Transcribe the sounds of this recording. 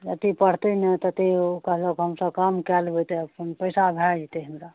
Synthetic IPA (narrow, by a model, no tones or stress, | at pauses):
jət̪ipəɽ̤t̪ənət̪ət̪ikəɦlokɦəmsəkamkɛlbot̪epənpəɪsabʱɛd͡ʒt̪eɦəmɾa